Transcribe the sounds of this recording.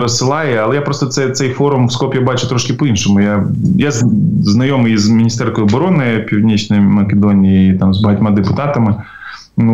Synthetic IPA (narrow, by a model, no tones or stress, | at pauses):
ɾɔssɪlˠɑjɛɐlˠɛjapɾɔst̪ɔt̪sɛt̪sɛjfɔɾʊmwskɔpʲjabɑt͡ʃʊt̪ɾɔʃkɪpɔinʃɔmʊjajazznɐjɔmɨjzmʲinʲist̪ɛrkɔjʊɔbɔɾɔnɪpʲiwdʲnʲit͡ʃnɔjmɐkʲed̪ɔnʲijiit̪ɑmzbɐɦɐtʲmɑd̪epʊt̪ɑt̪ɐmɪ | nu